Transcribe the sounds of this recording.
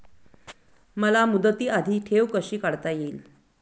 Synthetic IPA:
məlamud̪ət̪iːad̪ʱiːʈʰeʋkəɕiːkaɽt̪ajeːl

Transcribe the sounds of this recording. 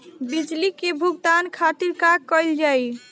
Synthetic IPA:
bid͡ʒlikebʱuɡ̚d̪ankʰat̪iɾkakːəɪld͡ʒaj

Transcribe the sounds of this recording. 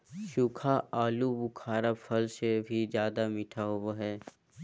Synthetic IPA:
ʃʊkʰaaːlubʊkʰaːɾapʰɐlsebʱid͡ʒjaːd̪amɪʈʰaɦowaɦɛː

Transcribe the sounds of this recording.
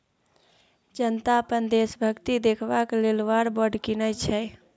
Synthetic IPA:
d͡ʒənt̪apənd̪esbʱəkt̪id̪ekʰbaklelwaɾbəɖkinət͡ʃʰɛ

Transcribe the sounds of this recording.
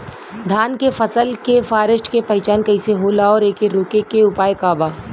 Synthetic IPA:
d̪ʱaːnkefɐsəlkefaːɾəsʃʈkepɐɦɪt͡ʃaːnkɐɪseɦoːlaɔːɾeːkeɾoːkekeʊpaːjekaːbaː

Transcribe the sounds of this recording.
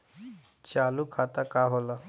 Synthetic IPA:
t͡ɕalukʰat̪akaɦola

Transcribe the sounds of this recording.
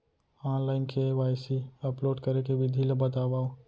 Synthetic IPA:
ãːnlaːɪnkʰeʋaːjsiəploːɖkəɾekebid̪ʱilebət̪abaːo

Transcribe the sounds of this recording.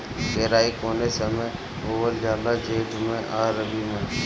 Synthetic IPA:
ɡeːɾaːiːkoːneːsəmẽː | oːʋəld͡ʒaːlaːd͡ʒeːɖʱʊmẽːʔaːɾəbiːmẽː

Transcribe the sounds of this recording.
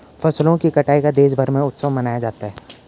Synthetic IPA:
fɐslõkikɐʈaːikad̪eːʃbʱɐɾmẽʊt̪səʋmɐnaːjad͡ʒaːt̪aɦɛː

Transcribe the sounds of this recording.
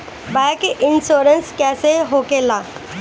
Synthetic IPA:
bɛkɪnsoːɾənskɛːseɦoːkelaː

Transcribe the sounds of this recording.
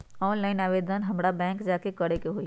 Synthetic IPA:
ɔːnlaːɪnaːʋeːd̪ʱənɦɐmɽabɛ̃ːŋkd͡ʒaːkekɐɽekeɦoi

